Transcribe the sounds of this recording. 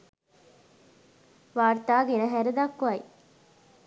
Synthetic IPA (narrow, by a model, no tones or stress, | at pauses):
ʋaːrt̪aːɡenəɦæɾed̪akːʋaj